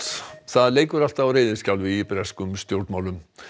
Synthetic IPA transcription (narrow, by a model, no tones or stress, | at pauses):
θaðleːjkʏɾal̥t̪aawɾejðɪscawlvipɾɛskʏmst̪jowɾt̪maːwlʏm